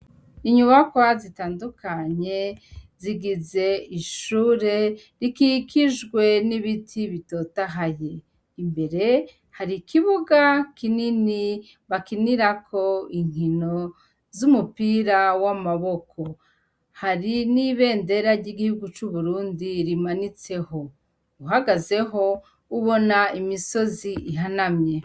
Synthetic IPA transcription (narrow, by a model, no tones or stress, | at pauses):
iɲuβakwazitaːndukʰaɲe̞ziɡize̞iʃuːɾe̞ | ɾikikiʒɡwe̞niβitʰiβito̞taɦaje̞ | imbe̞ɾe̞ | haɾikʰiβuɡakinini | βakiniɾakʰo̞iŋ̥ino̞ | zumupiɾawamaβo̞kʰo̞ | haɾiniβe̞ːnde̞ɾaɾɟiɡihuɡut͡ʃuβuɾuːndiɾimanit͡se̞ho̞ | uɦaɡaze̞ɦo̞ | uβo̞naimiso̞ziʔiɦanamɲe̞